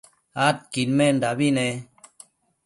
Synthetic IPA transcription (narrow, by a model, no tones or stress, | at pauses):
at̪̚kinmendaβine